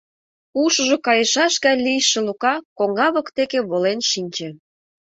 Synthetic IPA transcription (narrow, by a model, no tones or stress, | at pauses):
uʃə̆ʒokɑjə̆ʃɑʃɣɑlijʃĕlukɑkoŋɑβə̆kt̪ekeβolenʃinʲt͡ɕĕ